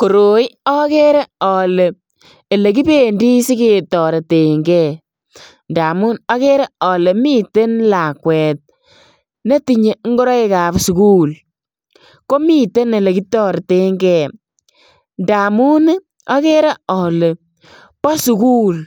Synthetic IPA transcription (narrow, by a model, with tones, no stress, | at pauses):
ko˨ɾo˨i˦ɔ˦ke˦ɾe˦ɔ˨le˨ | e˨le˨ki˦pe˦˨ndi˦si˦ke˨tɔ˨ɾe˨te˨ŋɡɛ˦˨ | nda˨mu˦nɔ˦ke˦ɾe˦ɔ˨le˨mi˦te˦nla˨kwɛ˨t̚ | ne˦ti˨ɲe˨ŋ˦ɡo˦ɾɔ˦i˦ka˨psu˨ku˦l | ko˦mi˦te˦ne˨le˨ki˦tɔ˦ɾe˨te˨ŋɡɛ˦˨ | nda˨mu˦n˦ | ɔ˦ke˦ɾe˦ɔ˨le˨ | pɔ˦su˨kuː˦l